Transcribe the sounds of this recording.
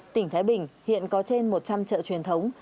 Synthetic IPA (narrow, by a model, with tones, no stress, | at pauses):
t̪ï˧˩ŋt̪ʰaː˨˦jɓï˨˩ŋ̟hḭ˧˨ənkɔ˨˦t͡ɕe˧nmo˨˩t̚t͡ɕa˧mt͡ɕə̰ː˧˨t͡ɕwi˨˩ənt̪ʰə˨˦wŋ͡m